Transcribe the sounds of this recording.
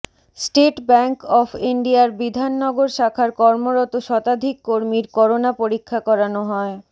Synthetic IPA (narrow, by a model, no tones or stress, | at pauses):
sʈeʈbɛŋkɔfʰiɳɖiaɾbid̪ʱanːɔɡoɾʃakʰaɾkɔɾmoɾɔt̪oʃɔt̪ad̪ʱikːoɾmiɾkɔɾonapoɾikʰːakɔɾanoɦɔe